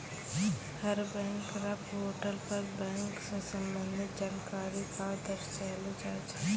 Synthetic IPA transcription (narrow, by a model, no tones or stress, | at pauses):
həɾbɛ̃ːŋkɾapɦoːʈəlpəɾbɛ̃ːŋksesə̃mbə̃nd̪ʱɪt̪d͡ʒaːnkaːɾikad̪əɾt͡ʃɛled͡ʒaːd͡ʒa